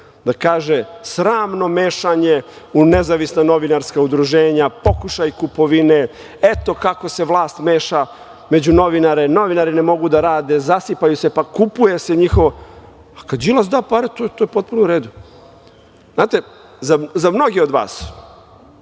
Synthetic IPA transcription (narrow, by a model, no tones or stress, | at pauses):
d̪akaːʒesɾaːmno̞meːʃaɲe̞ | unezaʋisnano̞ʋinaɾskaud̪ɾuʒeːɲapo̞kuʃajkupo̞ʋine | et̪o̞kako̞se̞ʋlˠaːst̪meːʃa | me̞d͡ʑuno̞ʋinaɾeno̞ʋinaɾine̞mo̞ɡud̪aɾaːd̪e̞zasipajusepakupujeseɲixoʋo | akad̪ilazd̪apaɾet̪ot̪ojepo̞t̪̚punuɾeːd̪u | znaːt̪e | zazamno̞ɡio̞d̪ʋa̰ːs